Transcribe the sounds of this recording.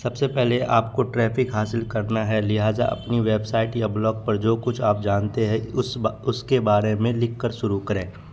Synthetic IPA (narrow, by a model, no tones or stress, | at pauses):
sɐbsepɛɦleaːpkoʈɾɛːpʰɪkɦaːsɪlkɐɾnaɦɛlɪɦaːza̰ʔɐ̰pniʋeːbsaːɪʈiɐblɔːɡ̚pɐɾd͡ʒoːkʊt͡ʃʰaːp̚d͡ʒaːnt̪eɦɛ̃ʊsʊskebaːɾemẽlɪkːəɾʃʊɾukɐɾẽː